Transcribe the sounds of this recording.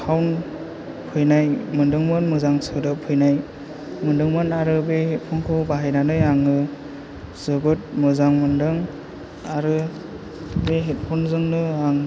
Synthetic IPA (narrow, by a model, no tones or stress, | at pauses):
kʰawn | pʰɯjnajmɯndɯŋmɯnmɯzaŋsɯdɯpʰɯjnaj | mɯndɯŋmɯnaɾɯbehet̚pʰɔnkʰɯbaɦajnanɯjaŋɯ | sɯɡɯt̚mɯzaŋmɯndɯŋ | aɾɯ | beɦet̚pʰɔnzɯŋnɯaŋ